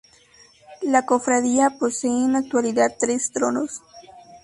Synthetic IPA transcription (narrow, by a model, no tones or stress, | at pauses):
lako̞fɾaðiaposeːnak̚t̪waliðad̪̚t̪ɾest̪ɾonos